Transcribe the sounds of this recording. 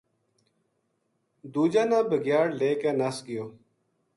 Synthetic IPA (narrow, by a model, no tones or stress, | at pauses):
d̪uːd͡ʒãːnãːbəɡjaːɽleːkeːnəsɡɪjoː